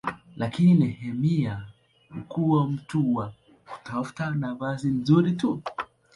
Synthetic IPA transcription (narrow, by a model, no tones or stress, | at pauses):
lʔakininɛhɛmia | m̩kuwam̩tuwa | ku̥tafu̥tanavazin̩zuɾitu